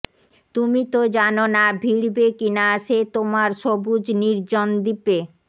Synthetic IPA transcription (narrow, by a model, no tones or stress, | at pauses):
t̪umit̪od͡ʑanonabʱiɽbekinaʃet̪omaɾʃobud͡ʑniɾd͡ʑond̪ipe